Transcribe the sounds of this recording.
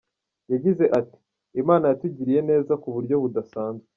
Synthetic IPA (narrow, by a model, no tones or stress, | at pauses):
jaɟize̞ʔati̥ | emaːnajatuɟiɾije̞ne̞ːzakuβuɾɟo̞βudasaːnzɡe